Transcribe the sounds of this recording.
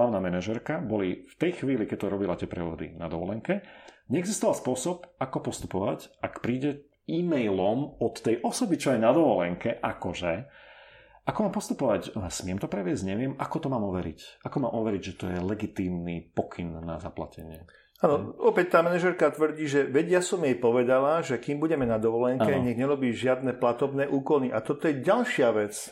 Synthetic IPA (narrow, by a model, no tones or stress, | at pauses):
ɦlaʋnaːmɛnaʒɛɾkabɔlift̪ɛjxʋiːlikɛc̚t̪ɔɾɔbilat̪ɪɛpɾɛʋɔd̪ḭnad̪ɔʋɔlɛŋkɛɲɛɛɡzist̪ɔʋalˠspʊɔsɔpakɔpɔst̪u̥pɔʋacakpɾiːɟɛ | imɛjlɔmɔt̪ːɛjʔɔsɔbit͡ʃɔɛnad̪ɔʋɔlɛŋkɛʔakɔʒɛ | ʔakɔmaːmpɔst̪upɔʋacsmɪɛmt̪ɔpɾɛʋɪɛzɟɲɛʋɪɛmʔakɔt̪ɔmaːmɔʋɛɾḭcʔakɔmaːmʔɔʋɛɾiɟʒɛt̪ɔjɛlɛɡit̪iːmnipɔkʰinːa̰za̰pla̰cɛ̰ɲɪɛ | aːnɔɔpɛc̚t̪aːmɛnɛʒɛɾkat̪ʋr̩ɟiːʒɛʋɛɟjasɔmjɛjpɔʋɛd̪alaʒɛkiːmbuɟɛmɛnad̪ɔʋɔlɛŋkɛɲɛɡɲɛɾɔbiːʒɪad̪̚nɛplat̪ɔbnɛːʔuːkɔlniʔat̪ɔt̪ɔjɛɟalʃɪaʋɛt͡s